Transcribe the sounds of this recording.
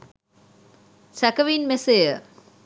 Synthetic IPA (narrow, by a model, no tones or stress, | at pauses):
sækəʋinmesejə